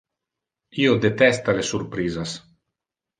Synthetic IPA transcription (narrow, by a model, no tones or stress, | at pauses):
iod̪et̪ɛst̪alesuɾpɾiːzas